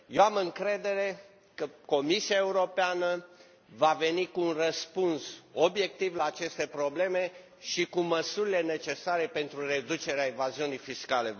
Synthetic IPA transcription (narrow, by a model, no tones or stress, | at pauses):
jeamɨŋkɾe̞d̪e̞ɾe̞ | kəko̞misiaeuɾo̞peanə | vave̞nikuːunrəspunsobje̞k̚t̪ivlaːt͡ʃe̞st̪e̞pɾo̞ble̞me̞ | ʃikuməsuɾile̞ne̞t͡ʃe̞saɾe̞pe̞nt̪ɾure̞d̪ut͡ʃe̞ɾeaevaziunijfiskale̞